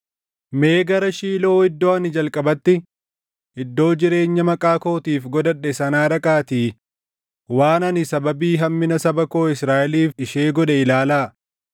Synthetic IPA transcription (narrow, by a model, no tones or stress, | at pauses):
me̞ːɡɐɾɐʃiːlo̞ːɪd̪ːoːɐnɪd͡ʒɐlkʼɐbɐt̪ːɪ | ɪd̪ːo̞ːd͡ʒɪɾe̞ːɲːɐmɐkʼaːko̞ːt̪iːfɡɔd̪ɐᶑːɛsɐnaːɾɐkʼaːt̪iː | waːnɐnɪsɐbɐbiːɦɐmːɪnɐsɐbɐko̞ːɪsɾaːʔɪliːfᶑɪʃeːɡɔᶑɛɪlaːlaː